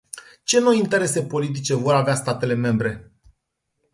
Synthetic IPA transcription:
t͡ʃe̞no̞jint̪e̞ɾe̞se̞po̞lit̪̬it͡ʃe̞vo̞ɾaveast̪at̪e̞le̞me̞mbɾe̞

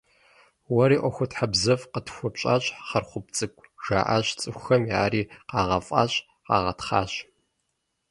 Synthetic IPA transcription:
wɐɾiːʔʷɔxʷʊtħabzɐvqətʰxʷɔpɕʼaːɕʼχɐrχʷʊp̚t͡sʼɨkʷʼʒ̥a̰ːʔaɕt͡sʼɨxʷxɐmja̰ːɾiːqɑːʁɐfʼɑ̰ːɕʼ | qɑ̰ːʁɐtχaːɕ

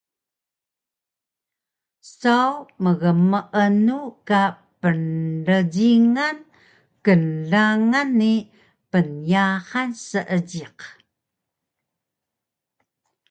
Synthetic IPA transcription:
sawməɣəməʔənuka | pənɮəɟiŋan | kənɮaŋani | pənjahansəʔəɟiq

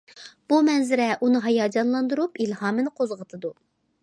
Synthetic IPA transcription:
b̥umɛnzɪɾɛʔunɨɦɑjɑːd͡ʒɑnlˠɑnd̪uɾupilɦɑːmɨnɨqʰozʁət̪ʰɨd̪u

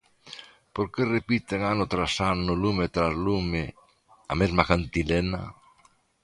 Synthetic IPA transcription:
poɾkerepit̪eŋanʊt̪ɾasanʊlumet̪ɾazlume | a̰mezmakant̪ilena̰

